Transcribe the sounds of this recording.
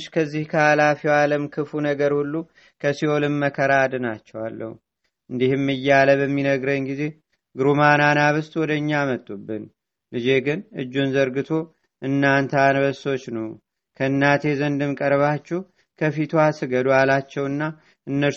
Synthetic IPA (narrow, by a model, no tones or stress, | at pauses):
ʃkʰəzːihkʰəalafiwaləmkʰɨfunəɡəɾhulːu | kʰəsiolɨmːəkʰəɾad̪ɨnat͡ʃːɛwalːə̰hu | ʔɨnd̪ihɨmːɨjːaləβəmːinəɡɾəɲɡize̞ | ɡɨɾumananaβɨst̪ʼwɔd̪əɨɲːamət̪ʼːubːɨn | lɨd͡ʒe̞ɡɨnɨd͡ʒːunzəɾɡɨt̪ʰo̞ | ʔɨnːant̪ʰanbəso̞t͡ʃːnəw | kʰəɨnːat̪ʰe̞zənd̪ɨmkʼəɾβat͡ʃːɛh | kʰəfit̪ʰwasɨɡəd̪ualat͡ʃːɛwɨnːa | ʔɨnːə